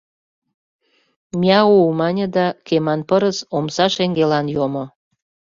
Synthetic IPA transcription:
mʲiɑumɑnʲə̆d̪ɑkemɑnpəɾəsomsɑʃeŋɡelɑnjomo

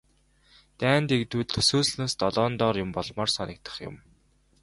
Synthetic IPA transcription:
t̪æːnt̪ekt̪uːtt̪ʰɵ̥soːsnoːst̪ɔɮɔːnt̪ɔːrjʊmpɔɮmɔːrsɔnʲɞ̆k̚t̪ʰə̥̆χjʊ̰̆m

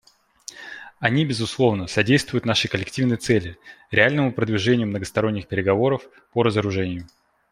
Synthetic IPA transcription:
ɐnʲibʲɪzʊslˠo̞vnəsɐdʲejst̪vʊjʊt̪naʂɨjkəlʲɪktʲivnəjt̪sɛlʲɪɾʲɪalʲnəmʊpɾəd̪vʲɪʐɛnʲɪjʊmnəɡəst̪ɐɾo̞nʲːɪxpʲɪɾʲɪɡɐvo̞ɾəf | pəɾəzəɾʊʐɛnʲɪjʊ

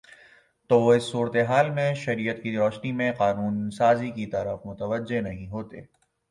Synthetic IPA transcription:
t̪oːʋoɪsːuːɾət̪eɦaːlmẽʃɐɾiːət̪kiɾɔːʃnimẽqaːnuːnsaːzikit̪ɐɾəfmʊt̪əʋəd͡ʒenɐɦĩɦoːt̪ḛː

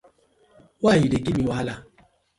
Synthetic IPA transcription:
wajiɾekimiwala

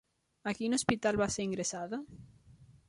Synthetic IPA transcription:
akinospit̪alβaseɾiŋɡɾesaðɐ

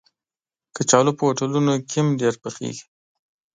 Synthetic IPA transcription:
kət͡ʃɑlopəwaʈəlunokʰɪmɖeɾpəxḛɡi̥

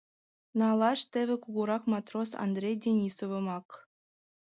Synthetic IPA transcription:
nɑlˠɑʃt̪ĕβʲĕkuɣuɾɑkmɑt̪rosɑ̰nd̪rʲejdʲenʲisoβɤ̆mɑk

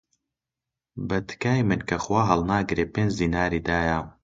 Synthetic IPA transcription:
bɐt̪kaːjmɨnkʰɐxwaːɦɐlˠnaːɡɾeːpeːnd͡ʒziːnaːɾiːd̪aːja

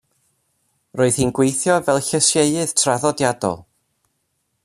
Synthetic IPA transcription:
rʔoːɨð̥hiːnɡwejθjɔvɛlˠɬəsjeɨɨð̥tʰraðɔdjadɔ̰lˠ

